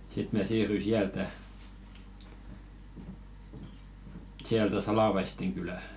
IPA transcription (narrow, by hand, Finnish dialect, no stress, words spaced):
sit mæˑ siːrːyi siæltæ siæltæ sɑlɑʋɑisteŋ kylæ